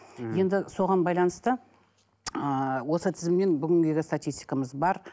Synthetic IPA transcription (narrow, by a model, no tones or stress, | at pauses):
je̞nd̪ɪso̞ʁɑnbɑjlˠɑnəst̪ə | əwo̞sət̪ʰɪzɪmne̞nbʏɡʲɪŋɡʲe̞ɡʲɪst̪at̪ʲijst̪ijkɑməzbɑɾ